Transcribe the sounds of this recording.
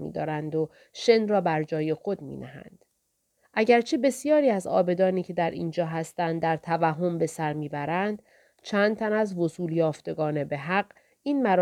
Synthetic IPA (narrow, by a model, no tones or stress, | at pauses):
mḭːd̪ɒ̰ːɾænd̪o | ʃenrɒːbæɾd͡ʒɒːje̞xo̞d̪̚mḭːd̪æ̰ɦæ̰nd̪̥ | ʔæɟæɾt͡ʃʰe̞be̞sijɒːɾiːæzɒːbe̞d̪ɒːniːcʰe̞d̪æɾʔḭːnd͡ʒɒːɦæst̪ænd̪dːæɾt̪ʰævæɦo̞mbe̞sæɾmiːbæɾænd̪ | t͡ʃʰæːnd̪̥̚t̪ʰænæzvo̞suːljɒːft̪e̞ɡɒːne̞be̞ɦæqɢ̥ | iːnmæɾ